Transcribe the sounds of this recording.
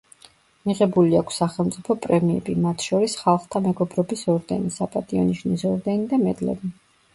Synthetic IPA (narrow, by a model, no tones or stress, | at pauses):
miʁɛbuliakʰsːaχɛlˠmt̪sʼipʰɔpʼɾɛmiɛ̰bimat̪ʰʃɔɾisχalˠχt̪ʰamɛɡɔbɾɔbisɔɾd̪ɛnisapʼat̪ʼiɔniʃnisɔɾd̪ɛnid̪amɛd̪lɛ̰bi